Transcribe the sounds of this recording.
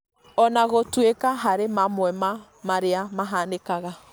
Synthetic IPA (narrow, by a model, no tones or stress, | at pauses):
ɔnaɣotwekaɦaɾemamwɛma | maɾeamaɦanekaɣa